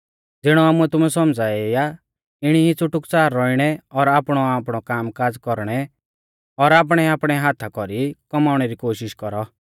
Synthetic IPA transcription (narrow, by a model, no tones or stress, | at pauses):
d͡zɪɽ̃ɔaːmuɛt̪ʊmɛsɔmd͡zaːɛɪja | ɪɽ̃iɦit͡sʊʈːʊkt͡saːɾːɔiɽ̃ɛɔɾaːpɽ̃ɔaːpɽ̃ɔkaːmkaːd͡zkɔɾɽ̃ɛ | ɔɾaːp̬ɽ̃ɛaːpɽ̃ɛɦaːt̪ʰakɔɾikɔmaːʊɽ̃ɛɾikoːʃɪʃkɔɾɔ